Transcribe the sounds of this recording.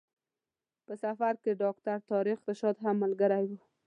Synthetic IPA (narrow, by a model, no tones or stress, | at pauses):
pəsafaɾkeɖɑkt̪aɾt̪ɑɾixd̪əʃɔd̪ɦamːəlɡəɾajwu